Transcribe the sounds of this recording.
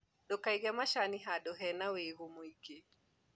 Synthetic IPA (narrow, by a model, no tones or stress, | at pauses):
ɗɔkajɡɛmaʃaniɦaɗɔɦɛnawejɦumujke